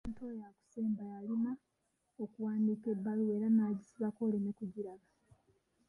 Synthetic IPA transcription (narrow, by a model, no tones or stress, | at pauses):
ntojaku̥se̞ːmbajalina | okuwaːndiːke̞bːalue̞ːɾanaːɟisiβako̞ːlemekuɟiɾaβa